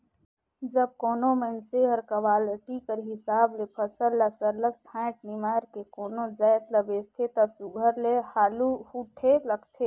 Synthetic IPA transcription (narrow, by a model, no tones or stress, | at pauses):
d͡ʒəb̚koːnomənseəɾkəwaːlʈikəɾɦɪsaːblepʰəsəlːasəɾlək̚t͡ʃʰãːɪʈ̚nimaːɾkekoːnod͡ʒajt̪ləbest̪ʰet̪ɔsuɡʱəɾlehaːluhuʈʰeləɡt̪ʰeː